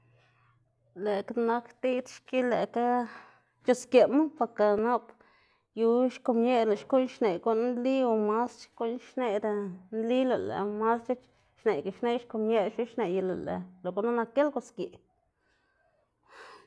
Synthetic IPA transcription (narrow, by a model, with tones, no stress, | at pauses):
le˨kana˧kt̪i˦t̪ʃki˦le˨ka˦ | t͡ʃo˧skje˨ma˦pa˧ka˧na˦p | ju˧ʃko˧mɲe˦la˨ʃku˦ɲʃne˨ɡo˧˦n˦nli˦o˨ma˦st͡ʃko˦nʃne˧ɾe˧nli˦lo˨lḛ˨ma˦st͡ʃe˦t͡ʃ | ʃne˨ɡa˨ʃne˦ʃko˧˨mɲe˦ʃi˦ʃne˨je˧la̰˨lḛ˨lo˨ɡo˧˦ʔna˦na˧ke˦lɡo˧˨skje˨